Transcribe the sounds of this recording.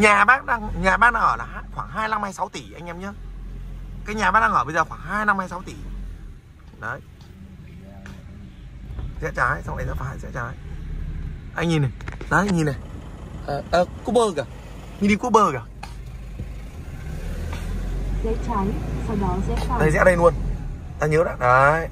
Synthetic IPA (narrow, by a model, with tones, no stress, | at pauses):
ɲaː˨˩ɓaː˦˥k̚ɗaː˧ŋɲaː˨˩ɓaː˦˥ɗaː˧˩ʔəː˧˩laː˨˩˧xwaː˧˩ŋɦaː˧jna˧mhaː˧jsa˨˦wt̪i˧˩ʔa˧ŋʔɛ˧mɲɨ˧˦ | kaː˨˦jɲaː˨˩ɓaː˦˥ɗaː˧ʔəː˧˩ɓə˧zəː˨˩xwaː˧˩ŋɦaː˧jna˧mhaː˧jsa˨˦wt̪i˧˩ | ɗə˨˦j | sɛ̰˧˥t͡ɕaː˨˦jsa˧wnʔa˨˩sfa˨˧˥jsɛ̰˧˥t͡ɕaː˨˦j | ʔa˧jŋɲi˨˩na˨˩ɗə˨˦˧ɲi˨˩nːa˨˩j | ʔəː˨˩ʔəː˨˩ku˦˥ɓəː˧ɣaː˨˩ | ɲi˧˩ɗi˧˩ku˦˥ɓəː˧ɣaː˨˩ | zə˨˧˥t͡ɕa˨˦nsa˧˩mɔ˨˦sɛ̰˧˥˧ɗ̪ə˨˩jsɛ̰˧˥ɗə˧jlu˧ən | t̪aː˧ɲə˨˦ɗa̰ː˧˨˩ɗə˨˦